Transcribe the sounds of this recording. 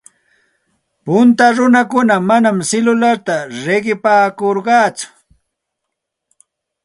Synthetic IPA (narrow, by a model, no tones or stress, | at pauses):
pʊnt̪aɾʊnakʊnamanamsɪlʊlaɾt̪aɾeɢɪpaːkoɾɢɑːt͡sʊ̥